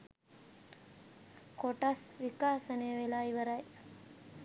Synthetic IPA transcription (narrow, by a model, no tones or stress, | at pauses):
koʈasʋikaːsənejʋelaːiʋəɾaj